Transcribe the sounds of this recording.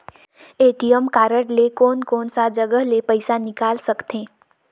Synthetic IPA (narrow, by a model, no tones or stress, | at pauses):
eːʈijəmkaːɾəɽlekɔːnkɔːnsad͡ʒəɡəɦlepəɪsanɪkaːlsəkt̪ẽː